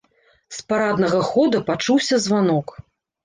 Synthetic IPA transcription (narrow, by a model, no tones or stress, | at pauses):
spaɾad̪nɐɣɐxɔd̪ɐpat͡ʂuwsʲɐzvanɔk